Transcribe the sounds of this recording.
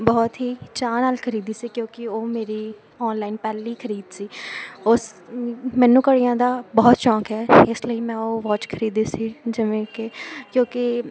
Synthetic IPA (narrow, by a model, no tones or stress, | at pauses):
bɔːt̪ɦiːt͡ʃaːnaːlkʰəɾiːd̪iːsiːkjõːkɪoːmeːɾiː | ɔːnlaːɪnpɛːliːkʰəɾiːd̪siːʊs | mɛ̃ːnũːkəɽijãːd̪aːbɔːt̪t͡ʃɔ̃ːkɦɛːɪsləiːmɛ̃ːoːʋɔːt͡ʃkʰəɾiːd̪iːsiːd͡ʒɪʋẽːkekjõːkɪ